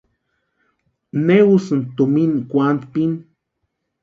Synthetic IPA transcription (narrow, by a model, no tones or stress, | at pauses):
newusɨnt̪uminkʷant̪pin